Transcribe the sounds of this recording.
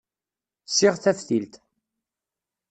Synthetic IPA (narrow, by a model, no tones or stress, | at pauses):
siʁθæfθilt̪